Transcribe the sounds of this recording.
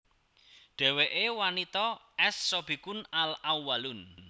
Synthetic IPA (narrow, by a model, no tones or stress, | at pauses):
ɖ̪̥ɛ̤weʔewanit̪ɔʔɛsːob̥i̤kʊnalʔawalʊn